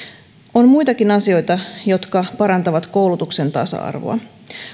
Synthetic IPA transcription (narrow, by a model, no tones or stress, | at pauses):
onmujt̪ɑkinɑsio̞jt̪ɑjo̞t̪kɑpɑɾɑnt̪ɑʋɑt̪ko̞wlut̪ukse̞nt̪ɑsɑ̰ɑ̰rʋo̰ɑ̰